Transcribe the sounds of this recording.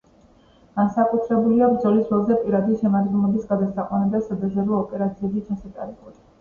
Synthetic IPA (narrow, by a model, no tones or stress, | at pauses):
ɡ̥ansakʼut̪ʰɾɛbuliabɾd̪zɔlisɾɛlˠzɛpʼiɾad̪iʃɛmad̪ɡɛnlˠɔbisɡad̪asaqʼwanad̪asad̪azɛɾɔɔpʼɛɾat̪sʰiɛbit͡ʃʰasat̪ʼa̰ɾɛbɔd̪̥